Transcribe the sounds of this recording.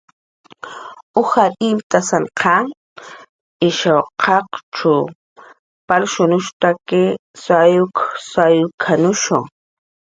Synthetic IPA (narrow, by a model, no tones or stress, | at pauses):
ʊhaʔɪmt̪asanqʰa | ɪʃawqʰɑqʈ͡ʂʊ | palʃʊnʊʃt̪akɪsajʊksajʊkʰanʊʃoŋ